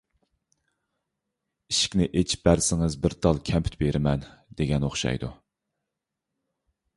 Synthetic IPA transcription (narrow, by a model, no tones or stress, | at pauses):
iʃi̥kʲnɪʔet͡ʃʰi̥p̚bæɾsɪŋɨzbɪɾd̪ɑlˠkʲʰɛmpʰy̥t̪beɾɪmɛnd̪̥eɡʲɛnoχʃɑ̰jd̪ṵ